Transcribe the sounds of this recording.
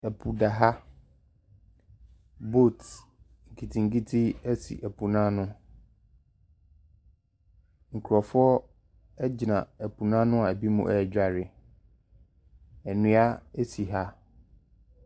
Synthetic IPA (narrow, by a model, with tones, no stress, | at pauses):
æ˨pʰu˨da˨ɦa˦ | bo˦˨t | ŋ̩˨kʰi˨tʰi˨ŋ̩˨ki˦tʰi˦æ˦sḭ˨ʔæ˨pʰu˨nãː˦nʊ̃˦ | ŋ̩˨kʰu˨ɾɔ˨fʊ˦ɔ˦ | ɛ˦d͡ʑi˨nã̰˨æ˨pʰu˨nã˦nʊ̃˦a˨æ˨bi˦mṵ̃˨ʔɛ˦˨d͡ʑᶣa˨ɾɪ˨ | æ˨nũ˨˦a˦e˦si˨ɦa˦